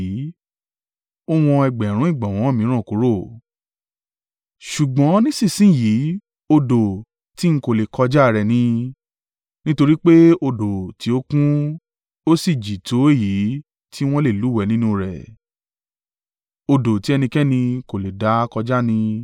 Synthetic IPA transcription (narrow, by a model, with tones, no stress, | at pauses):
o˦w̃ɔ̃˧ɛ˧˨ɡ͡bɛ˨ɾ̃ũ˨˦i˦˨ɡ͡bã˨w̃ɔ̃˨˦˨mĩ˨˦ɾ̃ã˦˨ku˨˦ɾo˦˨ | ʃu˨ɡ͡bɔ̃˨˦nĩ˦sĩ˦˨sĩ˦˨ji˨˦ | o˧do˨ | ti˦ŋ̩˦ko˦˨le˨kʰɔ˧d͡ʒa˦˨ɾɛ˨nĩ˧ | nĩ˦to˧ɾi˦k͡pe˦o˧do˨ti˨˦o˦kũ˦ | o˦si˦˨d͡ʒi˨tʰo˨˦e˦˨ji˨˦ | tʰi˦w̃ɔ̃˦le˦˨lu˨˦wɛ˨˧˦nĩ˦nũ˦˧ɾɛ˨ | o˧do˨ti˨˦ɛ˧nĩ˧kɛ˦nĩ˧ko˨le˨da˨˦kɔ˧d͡ʒa˦nĩ˧